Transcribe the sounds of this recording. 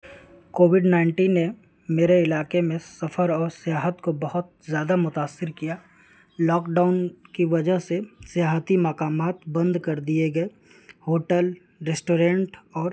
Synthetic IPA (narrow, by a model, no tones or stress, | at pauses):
koːʋɪɖnaːɪɳʈiːnːe | meːɾeɪlaːkemẽsɐfʰəɾɔːɾsɪjaːɦət̪kobɐɦʊt̪̚zjaːd̪amʊt̪aːsːɪɾkijaː | lɔːkɖaːʊnkiʋɐd͡ʒəɦsesɪjaːɦət̪imɐkaːmaːt̪bɐ̃nd̪kɐɾd̪ieɡɐe | hoːʈəl | ɾesʈoːɾẽːɳʈɔːɾ